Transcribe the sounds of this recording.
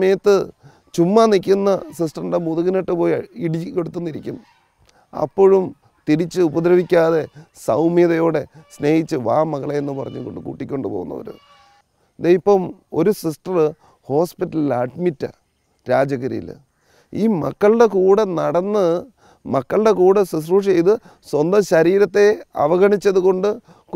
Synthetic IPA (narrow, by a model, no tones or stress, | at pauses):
ɐmɐjɐt̪ːɨ | t͡ɕumːɐnikʲːunːɐsis̬ʈɐrɖemuðuɣɐneʈːɨpo̞ːjiɽikːeɽut̪ːunːiɾikʲːum | ɐ̰pːo̞ɻum | t̪iɾit͡ɕːɨubɐd̪ɾɐʋikʲːaːðe̞sɐwmiðɐjo̞ːɽe̞sne̞ːhit͡ɕːɨʋa̰ːmɐɣɐɭeenːɨpɐrɐ̰ɲːukːoɳɖɨkṵːʈːikʲːo̞ɳɖɨpo̞̰ːɣunːɐ̰ʋɐ̰ɾṵ | d̪ejipːɐmo̞ɾusisʈɐrɨ | ho̞ːspitːɐlilaʈmitːa̰ | ɾaːd͡ʑɐɣɐɾḭjḭl | iːmɐkːɐɭɨɖe̞kuːɽɐnɐɽɐnːɨ | mɐkːɐɭɨɽe̞kuːɽesis̬ruːʂejt̪ɨ | swɐnd̪ɐmɕɐɾiːɾɐt̪ːe̞ɐ̰ʋɐɣɐɳit͡ɕːɐðuko̞ɳɖɨ | k